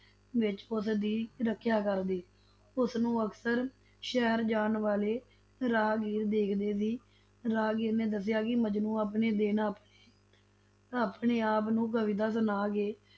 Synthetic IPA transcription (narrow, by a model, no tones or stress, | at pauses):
ʋɪt͡ʃʊsd̪iːɾəkʰːjaːkəɾd̪eː | ʊsnũːəksəɾ | ʃɛɦɾd͡ʒaːnʋaːleː | ɾaːɡiːɾd̪eːkʰd̪eːsiː | ɾaːɡiːɾnẽːd̪əs̬ɪjaːkɪməd͡ʒnũːaːpɳeːd̪eːnaːpneː | aːpɳeːaːpnũːɡəʋiːd̪aːsənaːɡeː